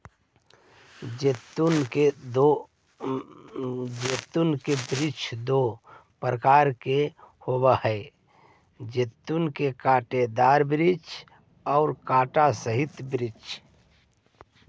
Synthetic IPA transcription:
d͡ʒt̪e | d͡ʒeːt̪unkebɾɪt͡ʃʰd̪o | pɾəkaːɾkehobahɛ | d͡ʒeːt̪unkekaːʈed̪aːɾbɾɪt͡ʃ | ɔːɾkaːʈasəɦɪt̪bɾɪt͡ʃ

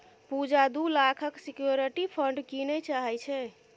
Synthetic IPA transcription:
pud͡ʒad̪ulakʰəksikjoɾiʈipʰəɳɖkinɛt͡ʃaɦɛt͡ʃʰɛ

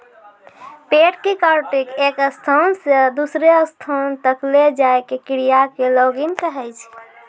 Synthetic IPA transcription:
peʈkekəɾʈikekəst̪ʰansed̪usɾeəst̪ʰont̪əkled͡ʒaekekiɾijakeloɡinkəɦɛjt͡ʃʰ

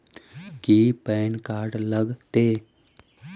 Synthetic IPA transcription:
kipɛːnkaːɾɖləɡt̪eː

